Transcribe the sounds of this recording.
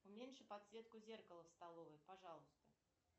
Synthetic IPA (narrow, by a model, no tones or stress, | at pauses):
ʊmʲenʲʂɨpɐt̪svʲe̞t̪̚kʊzʲe̞rkəlˠəfst̪ɐlˠovəjpaʐɑlˠʊst̪ə